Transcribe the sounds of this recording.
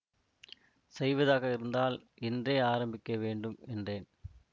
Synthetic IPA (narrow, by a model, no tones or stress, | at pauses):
sɛjʋɐðaːɣɐɪɾɯnd̪aːlʔɛndreːaːɾɐmbɪkːɐʋeːɳɖɯmɛndreːn